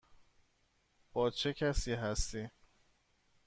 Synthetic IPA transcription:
b̥ɒːt͡ʃʰecʰæsiːɦæst̪iː

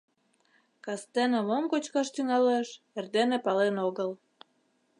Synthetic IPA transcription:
kɑst̪enĕmomkot͡ɕkɑʃt̪yŋɑleʃ | erd̪enĕpɑlenoɣəl

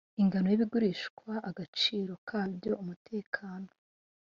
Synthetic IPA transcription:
iŋɡanojiβiɡuɾiːʃkwaʔaɡat͡ʃiːɾo̞kʰaːbjo̞ʔumutʰe̞ːkʰaːno̞

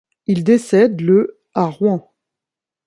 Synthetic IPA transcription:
ild̪esɛd̪lə | aʁwɛ̃

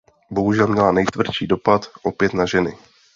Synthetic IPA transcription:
bo̞ɦuʒɛlmɲɛlanɛjt̪vr̩t͡ʃiːdo̞pat̪ʔo̞pjɛt̪naʒɛnɪ

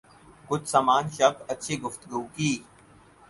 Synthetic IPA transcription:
kʊt͡ʃʰsaːmaːnʃɐbɐtːʃʰeːɡʊft̪əɡuːkiː

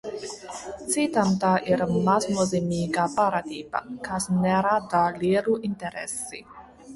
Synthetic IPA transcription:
t͡sit̪ant̪aʔiɾmasmozemikapaɾat̪iːpa̰kasnɛɾad̪aliːɾuint̪eɾɛ̰sːḭ

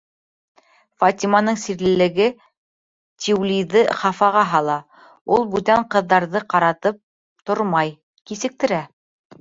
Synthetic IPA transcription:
fat̪ʲimanɤɴsiɾlɘ̆lɘ̆ɡɘ | t̪ʲʰiwlʲijðɘχɑfɑʁɑɦɑlˠɑ | ulˠbʉt̪æɴqɤ̆ðːɑɾðɤqɑɾɑt̪ɤp̚ | t̪oɾmɑj | kisɘ̆k̚t̪ɘ̆ɾæ

